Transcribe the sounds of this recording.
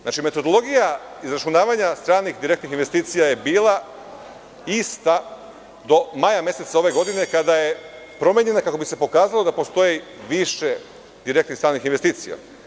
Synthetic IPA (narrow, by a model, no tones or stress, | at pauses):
at͡ʃime̞t̪od̪o̞lˠo̞ɡija | izɾat͡ʃunaːʋaɲast̪ɾaːnixd̪iɾe̞k̚t̪nixinʋe̞st̪iːt̪sijaje̞biːlˠa | ist̪a | d̪o̞majamje̞se̞t̪sao̞ʋe̞ɡo̞d̪ine̞kad̪aje̞ | pɾo̞meɲe̞nakako̞bise̞po̞kaːzalˠo̞d̪apo̞st̪o̞ji | ʋiʃe̞ | d̪iɾekt̪nixst̪ɾaːnixinʋest̪iːt̪sija̰